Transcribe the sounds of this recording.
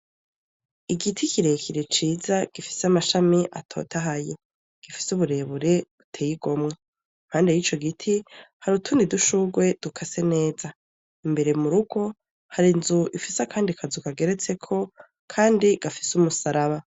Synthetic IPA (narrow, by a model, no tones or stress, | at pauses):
iɡitʰikiɾekʰiɾet͡ʃiːzaɡ̥ifi̥seamaʃamiʔa̰tʰo̞̰ːtaɦaje | ɡ̥ifi̥suβuɾe̞ːβuɾe̞βutʰeːjiɡo̞mŋe | nhaːnde̞jit͡ʃo̞ɡitʰihaɾutʰuːndiduʃuɡwe̞d̥ukʰase̞ne̞ːza | imbe̞ɾe̞muɾuɡ̥o̞ | haɾinzuʔifisakʰaːndikʰazukaɡe̞ɾe̞t͡se̞kʰo̞ | kʰaːndiɡ̥afi̥sumusaɾaβa